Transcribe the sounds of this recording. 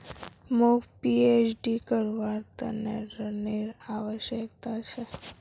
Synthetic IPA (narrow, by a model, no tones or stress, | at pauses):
mukpiet͡ʃʰɖikəɾʋaɾt̪əneɾəneɾaʋəʃjək̚t̪at͡ʃʰe